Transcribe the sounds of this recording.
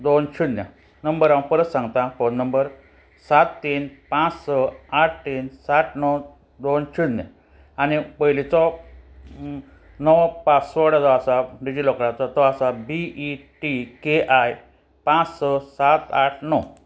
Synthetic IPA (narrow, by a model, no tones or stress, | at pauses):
d̪ont͡ɕʰunja̰ | nəmbəɾãw̃pəɾət̪sãŋɡt̪ãponːəmbəɾ | sat̪ːiːnpãt͡ssɔaʈ̚ʰt̪insaʈʰnɔ | d̪ont͡ɕʰunːja̰ | añipəɦlit͡sɔ | nɔwpat͡ssɔɽat͡sɔasaɖid͡ʑilɔkɽãt͡sɔt̪ɔasabiiʈikeʔaj | pãt͡ssɔsat̪aʈʰnɔ